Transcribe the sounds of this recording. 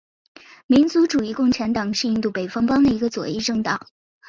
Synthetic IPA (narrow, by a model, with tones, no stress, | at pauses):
mi˧˥nt͡su˧˥ʈ͡ʂu˨˩i˥˧kʊ˥˩ŋʈ͡ʂʰa˧˥nt̪ɑ˨˩ŋʂɻ̩˥˧i˥˧nt̪u˥˩pe˨˩ɪfɑ˥ŋpɑ˥ŋd̪ə˨i˧˥ɡə˧t͡swɔ˨˩i˥˧ʈ͡ʂɤ˥˩ŋt̪ɑ˨˩˦ŋ